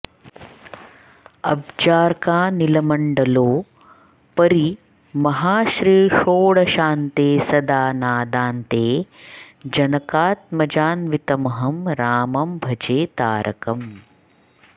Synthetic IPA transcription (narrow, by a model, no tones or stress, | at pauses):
ɐbd͡ʒaːɾkaːnilɐmɐɳɖɐloː | pɐɾi | mɐɦaːʃɾiːʂoːɽɐʃaːnt̪eːsɐd̪aːnaːd̪aːnt̪eː | d͡ʒɐnɐkaːt̪̚mɐd͡ʒaːnʋit̪ɐmɐɦɐmɾaːmɐmbʱɐd͡ʒeːt̪aːɾɐkɐm